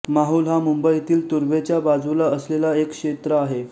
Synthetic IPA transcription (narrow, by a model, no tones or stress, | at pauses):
maɦuːlɦamumbəit̪iːlt̪uɾʋet͡ɕjabad͡zulaəslelaekːʂet̪ɾəaɦe